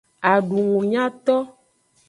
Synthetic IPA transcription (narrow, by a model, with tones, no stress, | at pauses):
a˨ɖu˨ŋũ˨ɲã˦t̪ɔ˦